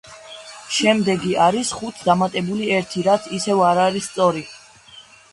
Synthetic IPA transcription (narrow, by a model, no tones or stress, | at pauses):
ʃɛmd̪ɛɡiaɾisχut̪ʰd̪amat̪ʼɛbuliɛɾt̪ʰiɾat̪sʰisɛvaɾaɾist̪sʼɔɾi